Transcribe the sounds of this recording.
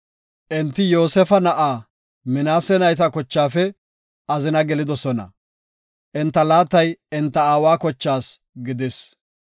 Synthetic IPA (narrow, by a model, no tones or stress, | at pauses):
ʔɛnt̪ːɪjo̞ːsɛfɐnɐʔaː | mɪnaːsɛnɐjt̪ɐkɔt͡ʃːaːfɛ | ɐzɪnɐɡɛlɪd̪ɔsɔnɐ̰ | ʔɛnt̪ːɐlaːt̪ːɐjɪnt̪ːɐaːwaːkɔt͡ʃːaːs | ɡɪd̪es